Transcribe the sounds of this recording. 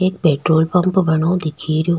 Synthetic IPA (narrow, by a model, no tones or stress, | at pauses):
eːk̚peːʈɾoːlpɐmpbɐɳoːd̪ɪkʰiːɾo